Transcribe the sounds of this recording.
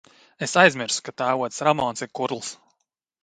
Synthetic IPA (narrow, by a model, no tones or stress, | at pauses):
esajzmiɾsu̥kat̪aːvuɔt̪sɾamɔːnsiɾkuɾlˠs